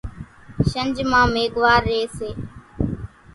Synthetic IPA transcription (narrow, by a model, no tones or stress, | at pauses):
ʃənd͡ʒmãːmeːɠʋaːɾːeːseː